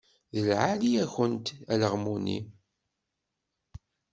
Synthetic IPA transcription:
ðəlʕaliæçənt̪æləʁmunḭ

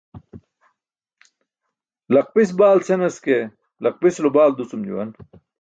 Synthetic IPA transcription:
lɐq̚pisbaːlsenɐske | lɐq̚pislubaːld̪usumd͡ʑṵwɐ̰n

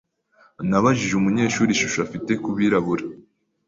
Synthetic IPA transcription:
naβaʒiʒeumuɲe̞ːʃuːɾiʃuʃafite̞kuβiɾaβuɾa

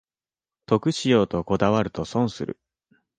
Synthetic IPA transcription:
t̪o̞kɯ̟ɕijo̞ːt̪o̞ko̞d̪aβaɾɯ̟t̪o̞sõ̞ɰ̃sɨɾɯ̟̰

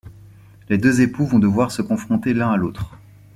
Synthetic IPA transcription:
led̪øzepuvɔ̃d̪əvwaʁsəkɔ̃fχɔ̃t̪elɛ̃alot̪χ

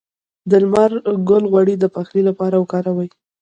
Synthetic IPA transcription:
d̪əlmaɾɡʊlɣwaɽid̪əpaxlilapɑɾawəkɑɾawaj

